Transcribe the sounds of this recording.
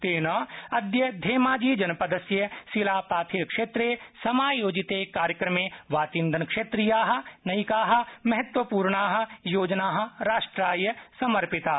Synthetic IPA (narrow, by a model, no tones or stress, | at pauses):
t̪eːnɐːɐd̪jɐd̪ʱeːmaːd͡ʒiːd͡ʒɐnpɐd̪ɐsjɐsilaːpaːt̪ʰiɾkʂeːt̪ɾeːsɐmaːjoːd͡ʒit̪eːkaːɾjəkɾɐmẽːʋaːt͡ʃind̪ʱɐnkʃeːt̪ɾijaːɦɐ̆nɐikaːɦɐ̆mɐɦɐt̪ʋɐpuːɾɳaːɦɐ̆joːd͡ʒnaːɦɐ̆ɾaːʂʈɾaːjɐsɐmɐɾpɪt̪aː